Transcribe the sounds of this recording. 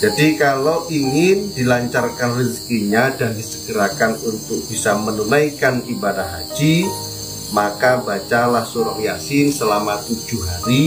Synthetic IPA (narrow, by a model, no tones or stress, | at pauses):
d͡ʒadikalowiŋɪndilaɲt͡ʃarkanrisi̥kiɲadaɾisəɡəɾakanunt̪ʊk̚b̥isamənunajkanibadatɦa̰d͡ʒi | makabat͡ʃalahsuɾaʔjasɪnsəlamat̪ud͡ʒuhɦaɾi